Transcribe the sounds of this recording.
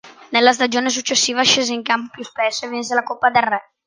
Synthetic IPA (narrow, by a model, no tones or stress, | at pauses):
nelːas̬t̪ad͡ʒoːnes̬ut͡ʃːesːiːvaʃeːzeiŋkampopjuspesːoevins̬elakopːad̪elrɛ